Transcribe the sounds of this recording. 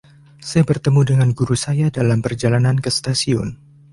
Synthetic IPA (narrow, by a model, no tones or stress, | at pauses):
sajabərt̪əmudəŋanɡuɾusajadalampərd͡ʒalanankəst̪asiɔn